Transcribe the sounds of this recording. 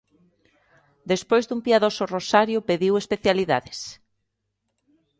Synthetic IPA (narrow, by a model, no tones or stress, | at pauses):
d̪espojzðumpiaðosʊrosaɾjʊpeðiwespeθjaliða̰ðes